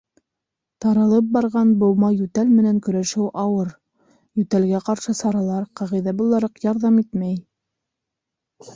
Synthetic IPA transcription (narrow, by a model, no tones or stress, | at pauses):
t̪ɑɾɑ̆lˠɤp̚bɑɾʁɑnbulˠmɑjʉt̪ælmɘ̆næŋkɵ̆ɾæʃɘwʔɑwɤɾ | jʉt̪ælɡæqɑɾʃɤsɑɾɑlˠɑɾqɑʁijðæbulˠɑɾɤqjɑɾðɑmit̪mæj